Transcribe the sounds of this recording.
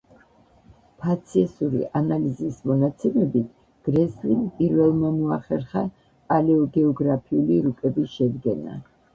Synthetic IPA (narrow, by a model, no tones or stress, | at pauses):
pʰat̪sʰiɛsuɾḭʔanalizismɔnat̪sʰɛmɛbit̪ʰ | ɡ̥ɾɛslimpʼiɾvɛlˠmamɔaχɛɾχa | kʼalɛɔɡɛɔɡɾapʰiuliɾukʼɛbisʃɛd̪ɡɛna̰